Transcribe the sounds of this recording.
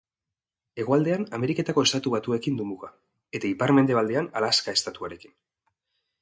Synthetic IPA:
e̞ɣ̞oald̪e̞aname̞ɾike̞t̪ako̞e̞st̪at̪uβat̪ue̞kind̪umuɣa | et̪aipaɾme̞nd̪eald̪e̞analaskae̞st̪at̪uaɾe̞ki̥n

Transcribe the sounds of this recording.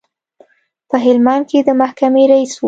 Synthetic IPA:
pəɦɪlmanked̪əmahkameɾais

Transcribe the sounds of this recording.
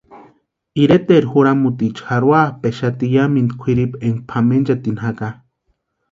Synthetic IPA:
iɾet̪eɾxuɾamut̪it͡ʃxaɾwapeʃat̪ijamind̪kʷʰiɾipeŋɡpʰamend͡ʒat̪inhaka

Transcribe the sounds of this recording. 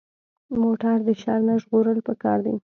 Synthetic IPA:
moʈaɾd̪əʃɑɾnaʒɣoɾəlpəkɑ̰ɾd̪aj

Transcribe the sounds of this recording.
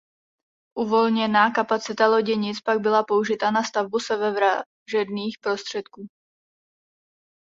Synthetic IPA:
ʔuvo̞lɲɛnaːkapat͡sɪt̪alo̞ɟɛɲɪt͡spaɡ̚bɪlapo̞uʒɪt̪anast̪avbusɛvɛvɾa | ʒɛdniːxpɾo̞st̪r̝̥ɛt̪kuː

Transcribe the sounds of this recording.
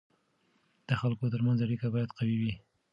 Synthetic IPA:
d̪̥əxalkot̪əɾmanzaɽikabɑjad̪qawiwi

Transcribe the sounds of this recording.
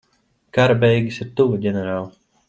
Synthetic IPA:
kaɾabɛjɡʲisiɾt̪uvaɟʲɛnɛɾaːlˠ

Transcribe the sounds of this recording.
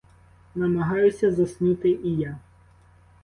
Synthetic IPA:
nɐmɐɦɑjʊsʲɐzɐsnut̪ɪʔija

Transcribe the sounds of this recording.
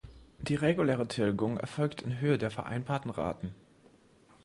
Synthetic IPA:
d̥iːʁeɡuleːʁətʰɪlɡʊŋɛ̰ɐfɔlktʰɪnɦøːədeːɐfɛɐʔa̰ɪnbaːɐtn̩ʁa̰ːtn̩

